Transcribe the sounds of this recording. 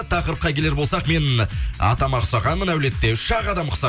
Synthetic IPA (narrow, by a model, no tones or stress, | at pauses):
t̪ʰɑqəɾəp̚qɑkʲʰe̞le̞ɾbolsɑqme̞nɑ̰t̪ɑmɑqʰʊsɑʁɑnmənæwle̞t̪ːe̞ʏʃɑʁɑd̪ɑmqʰʊ̥sɑ